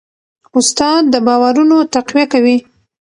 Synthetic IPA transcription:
ʊst̪ɑd̪̚ːəbɑwaɾunot̪aqwijakawi

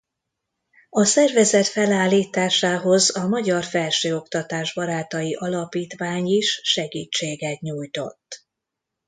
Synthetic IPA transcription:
ɒsɛrvɛzɛt̪fɛlaːlːiːt̪aːʃaːɦo̞zɒmɒɟɒrfɛlʃøːo̞kt̪ɒt̪aːʒbɒɾaːt̪ɒjiʔɒlɒpiːt̪ʋaːɲiʃːɛɡiːt͡ʃːeːɡɛt̪ɲuːjt̪o̞̰t̪ː

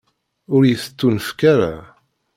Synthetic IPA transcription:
ʊɾjəθət͡sːunəfkaɾa̰

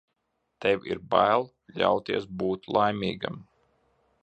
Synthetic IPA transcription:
t̪ɛwʲḭɾbajlˠ | ʎʲa̰wt̪iɛsbuːt̪lˠajmʲiːɡa̰m

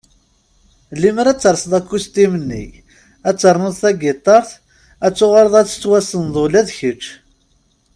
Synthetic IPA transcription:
lːiməɾæt͡sːəɾˤsðˤækːust̪imənːḭ | æt͡sːəɾˤnoðˤθæɡɪt̪ˤːɑɾˤθ | æt͡sːʊʁaɾəðˤæt͡sːə̥t͡sːwæsənðˤolæðçət͡ʃː

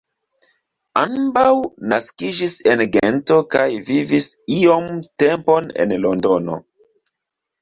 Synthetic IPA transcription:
ambawnaskid͡ʒisenɡento̞kajvivisio̞mte̞mpo̞nḛnlo̞ndo̞no̞̰

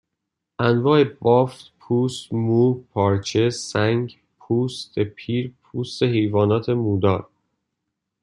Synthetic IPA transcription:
ʔænvɒːe̞bɒːft̪pʰuːst̪muːpʰɒːɾt͡ʃʰe̞sæŋɡ | pʰuːst̪epʰiːɾpʰuːst̪eɦejvɒːnɒːt̪ʰe̞muːd̪ɒːɾ

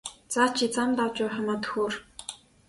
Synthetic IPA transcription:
t͡saːt͡ɕʰit͡samt̪awt͡ɕʊːχămaːt̪xuːr

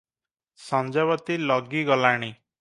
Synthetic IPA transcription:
sɔ̃nd͡ʒaβɔt̪ilɔɡiɡɔlaɽ̃i

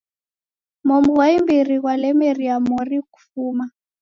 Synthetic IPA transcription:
mɔmuwaimbiriɣwalɛmɛriamɔriku̥fuːma

